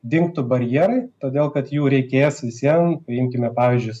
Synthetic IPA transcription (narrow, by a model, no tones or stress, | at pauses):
d̪ʲɪŋkt̪ʊbɐɾʲjeːɾɐɪt̪oːd̪ʲeːlˠkɐt̪juːɾʲɛɪkʲeːsʋʲɪsʲiɛmpʲɾʲɪɪmʲkʲɪmʲɛpɑːʋʲizʲd͡ʒʲʊɪs